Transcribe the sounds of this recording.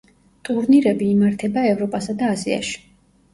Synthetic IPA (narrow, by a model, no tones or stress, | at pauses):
t̪ʼuɾniɾɛbiːmaɾt̪ʰɛbaɛvɾɔpʼasad̪aːzia̰ʃi̥